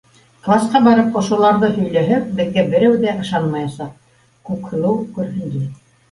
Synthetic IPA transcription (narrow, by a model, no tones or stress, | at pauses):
klˠɑsqɑbɑɾɤpŏʃŏlˠɑɾðɤhɵ̆jlæɦɘp̚bɘ̆ðɡæbɘ̆ɾæwðæʔɤ̆ʃɑnmɑjɑsɑq̚ | kʉkhɤ̆lˠɤwkʉɾɦɘ̆nd̪i